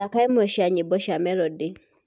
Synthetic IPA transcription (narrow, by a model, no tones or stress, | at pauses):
akaemɔʃiaɲebɔʃamɛɾɔde